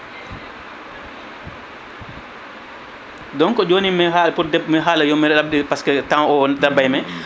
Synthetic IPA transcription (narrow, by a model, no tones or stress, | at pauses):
dɔŋkɔd͡ʒoːnimɛɦapuɾdɛmɛɦaːlajɔmɛɾab̚dipaskɛtaŋɔdabːajmɛ